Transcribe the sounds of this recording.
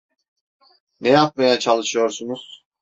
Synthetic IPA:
nɛjap̚majat͡ʃʰalˠɯʃɯjo̞ɾsunuz̥

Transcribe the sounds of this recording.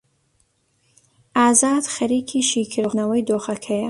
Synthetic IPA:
ʔaːzɑːd̪̥xɐɾiːkʰiːʃiːkʰɨɾɣnɐwɐjd̪oːxɐkʰɐjɐ

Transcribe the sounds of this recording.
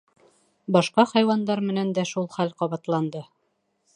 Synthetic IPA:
bɑʃqɑχɑjwɑnd̪ɑɾmɘ̆nænd̪æʃulˠχælqɑβɑt̪lˠɑnd̪ɤ

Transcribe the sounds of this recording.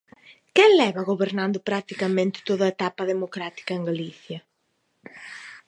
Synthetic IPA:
kɛŋlɛβɐɣoβeɾnãnd̪ʊpɾat̪ikɐmẽnt̪ɪ̥t̪oðɐet̪apɐðemokɾat̪i̥kɐeŋɡaliθjɐ

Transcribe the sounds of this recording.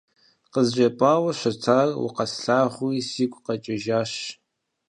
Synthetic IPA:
qəzʒʷɐpʼaːwɐɕʷɐt͡sʰaːrwʊ̰qɐsɬaːʁʷuisiːkʷʼqɐt͡ʃʼɪʒaːɕ

